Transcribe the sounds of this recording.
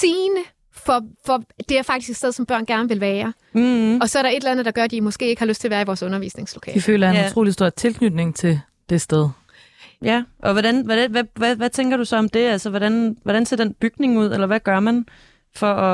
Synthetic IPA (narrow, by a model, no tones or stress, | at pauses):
siːnə | fɒ̽fɒ̽d̥e̝æɐfɑ̈ɡ̥d̥isɡ̥edseðˠsɒ̽mb̥ɶɐ̰nɡ̥æɐnəʋe̝lʋæːɐ | ɒ̽sɒ̽ɐɾ̥ɑ̈e̝d̥elænð̩ˠd̥ɑ̈ɡ̥ɶɐd̥imɒ̽sɡ̥e̝̰ːe̝ɡ̥hɑløsd̥t͡sʰe̝lʋæːɐiʋɒːsɔ̽nɐʋḭːsne̝ŋslo̥kʰɛ̰ifø̰ːlɐeut͡sʰʁo̝̰ːlisd̥o̝ɐ̰̥t͡sʰe̝lkʰnyd̥ne̝ŋt͡sʰe̝l | d̥e̝sd̥eð̞ˠ | jæʔɒ̽ʋɒdænʋæ̥æʋæʋæʋæt͡sʰeŋɡ̥ɐɾ̥usɒ̽ɒ̽md̥e̝ælsəʋɒɾænʋɒɾ̥ænse̝ɐd̥enb̥yɡ̥ne̝ŋuð̞̰ˠelɐʋæɡ̥ɶɐmæn | fɒɒ